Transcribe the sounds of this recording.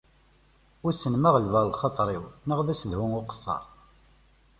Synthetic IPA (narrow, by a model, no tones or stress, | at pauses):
ʊɾsənmaʁəlvæɾˤlχɑt̪ˤɾˤiwnəʁðæsəðhuŋʊqə̥sˤːɑ̰ɾˤ